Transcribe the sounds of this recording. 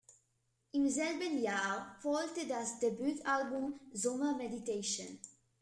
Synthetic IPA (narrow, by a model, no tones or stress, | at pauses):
ĩnzɛlbə̃njapɔltɪdazd̪ɛbjut̪ʰalbũmzɔ̃məmɛdit̪eʃə̰̃n